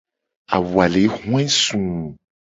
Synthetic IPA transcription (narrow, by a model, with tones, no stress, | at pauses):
a̰˨wu˨a˨le˨˦hũ˦ɛ̃˦sũ˨